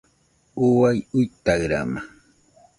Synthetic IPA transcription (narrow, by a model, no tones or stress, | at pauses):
ʊwajʊjt̪aɢɾa̰ma